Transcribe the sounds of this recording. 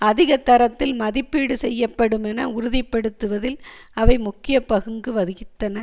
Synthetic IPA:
ɐðɪɣɐt̪ːɐɾɐt̪ːɪlmɐðɪpːiːɽɯsɛjːɐpːɐɽɯmɛnɐʊɾʊðɪpːɐɽɯt̪ːɯʋɐðɪlɐʋɐɪmʊkːɪjɐpɐɣɯŋɡɯʋɐðɯɣɪt̪ːɐnɐ

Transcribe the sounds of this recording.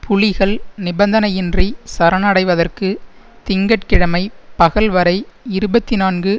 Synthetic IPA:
pʊɭɪɣɐɭnɪbɐnd̪ɐnɐjɪndrisɐɾɐnɐɽɐɪʋɐðɐrkɯ | t̪ɪŋɡɐʈ̚kɪɽɐmɐɪpɐɣɐɭʋɐɾɐɪɪɾɯbɐt̪ːinaːnɡɯ

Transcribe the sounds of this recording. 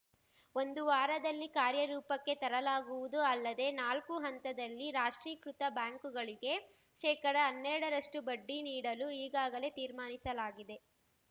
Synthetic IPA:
o̞nd̪uʋaːɾɐd̪ɐlːikaːɾjɐɾuːpɐkːe̞t̪ɐɾɐlaːɡuʋud̪uɐlːɐd̪e̞naːlkuɦɐnt̪ɐd̪ɐlːiɾaːʂʈɾiːkɾut̪ɐbjaːŋkuɡɐɭiɡe̞ | ʃɛːkɐɽɐːnːɛɾɐɽɐɾɐʂʈubɐɖːiniːɽɐluiːɡaːɡɐle̞t̪iːɾmaːnisɐlaːɡid̪e̞

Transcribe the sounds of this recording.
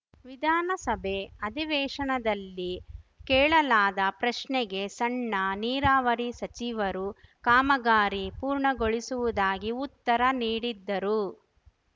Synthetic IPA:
ʋid̪ʱaːnɐsɐbʱe̞ɐd̪ʱiʋɛːʂɐɳɐd̪ɐlːikɛːɭɐlaːd̪ɐpɾɐʂɳɛɡe̞sɐɳːɐniːɾaːʋɐɾisɐt͡ʃiʋɐɾukaːmɐɡaːɾipuːɾɳɐɡoɭisuʋud̪aːɡiut̪ːɐɾɐniːɽid̪ːɐɾu

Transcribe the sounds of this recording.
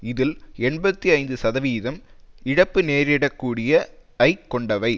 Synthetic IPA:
ɪðɪlɛɳbɐt̪ːiɐɪnd̪ɯsɐðɐʋiːðɐm | ɪɽɐpːɯneːɾɪɽɐkːuːɽɪjɐɐɪkːɔɳɖɐʋɐɪ

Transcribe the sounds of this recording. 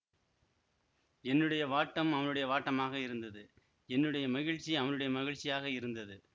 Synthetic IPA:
ɛnːɯɽɐjɐʋaːʈːɐmɐʋɐnɯɽɐjɐʋaːʈːɐmaːɣɐɪɾɯnd̪ɐðɯ | ɛnːɯɽɐjɐmɐɣɪɻt͡ʃːiɐʋɐnɯɽɐjɐmɐɣɪɻt͡ʃːɪjaːɣɐɪɾɯnd̪ɐðɯ

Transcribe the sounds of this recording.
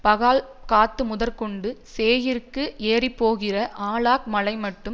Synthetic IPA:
pɐɣaːl | kaːt̪ːɯmʊðɐɾkɔɳɖɯseːjɪrkːɯʔeːripːoːɣɪrɐʔaːɭaːk̚mɐlɐɪmɐʈːɯm

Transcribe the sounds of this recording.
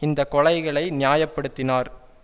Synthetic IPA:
ɪnd̪ɐkːɔlɐɪɣɐɭɐɪnɪjaːjɐpːɐɽɯt̪ːɪnaːɾ

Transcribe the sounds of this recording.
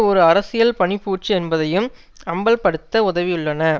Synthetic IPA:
ɔɾɯɐɾɐsɪjɐlpɐɳɪpːuːt͡ʃːɯɛnbɐðɐjɯm | ɐmbɐlpɐɽɯt̪ːɐʊðɐʋɪjɯɭːɐnɐ

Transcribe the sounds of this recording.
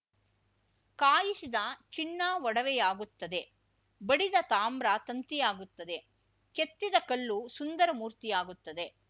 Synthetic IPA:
kaːjisid̪ɐt͡ʃinːaːʋɔɽɐʋɛjaːɡut̪ːɐd̪e̞ | bɐɽid̪ɐt̪aːmbɾat̪ɐnt̪ijaːɡut̪ːɐd̪e̞ | ket̪ːid̪ɐkɐlːusund̪ɐɾɐmuːɾt̪ijaːɡut̪ːɐd̪e̞

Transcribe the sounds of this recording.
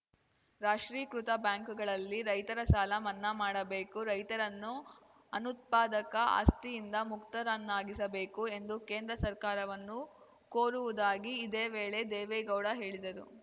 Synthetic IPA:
ɾaːʂɾiːkɾut̪ɐbjaːŋkuɡɐɭɐlːiɾɐjt̪ɐɾɐsaːlɐmɐnːɐmaːɽɐbe̞ːkuɾɐjt̪ɐɾɐnːu | ɐnut̪̚paːd̪ɐkɐʔa̰ːst̪ijind̪ɐmukt̪ɐɾɐnːaːɡisɐbe̞ːkue̞nd̪uke̞ːnd̪ɾɐsɐɾkaːɾɐʋɐnːu | koːɾuʋud̪aːɡiːd̪eːʋe̞ːɭe̞d̪eːʋɛɡɐwɽɐɦe̞ːɭid̪ɐɾṵ

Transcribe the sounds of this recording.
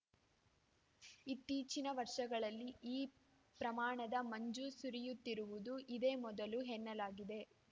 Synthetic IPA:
it̪ːiːt͡ʃinɐʋɐɾʂɐɡɐɭɐlːiʔiː | pɾɐmaːɳɐd̪ɐmɐɲd͡ʒusuɾijut̪ːiɾuʋud̪uʔid̪eːmɔd̪ɐluɦɛnːɐlaːɡid̪e̞

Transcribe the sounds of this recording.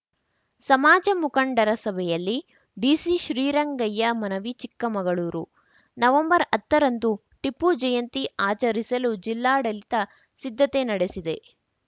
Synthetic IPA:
sɐmaːd͡ʒɐmukɐɳɖɐɾɐsɐbʱɛjɐlːi | ɖiːsiʃɾiːɾɐŋɡɐjːɐmɐnɐʋit͡ʃikːɐmɐɡɐɭuːɾu | nɐʋɐmbɐɾɐt̪ːɐɾɐnd̪u | ʈipːud͡ʒɐjɐnt̪iaːt͡ʃɐɾisɐlud͡ʒilːaːɽɐlit̪ɐ | sid̪ʱːɐt̪enɐɽesid̪e̞

